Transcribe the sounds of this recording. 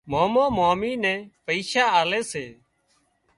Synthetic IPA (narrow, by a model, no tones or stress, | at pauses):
moːmõːmaːmiːnɛ̃ːpəiːʃaːaːlɛːseː